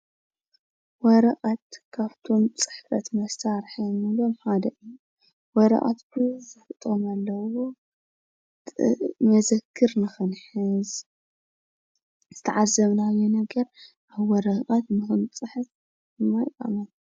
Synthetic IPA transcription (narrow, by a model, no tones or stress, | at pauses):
wɔɾɐχʼat̪kʰaβt̪ʰo̞mt͡sʼɨ̥ħfɐt̪mɐsaɾħimɨlomħad̪ɐʔɨjːu | wɔɾɐ̰χʼa̰t̪bɨzɨfɨt̪ʼomalːɐwo | mɐzɐkʰːɨɾnɨxɨnħɨz | z̥ɨt̪ʰɐʕazːɐmnajenɐɡɐɾ | ʔaβwɔɾɐχʼat̪nɨxɨnt͡sʼɨħɨt | ɨmːajkʼa̰mɐn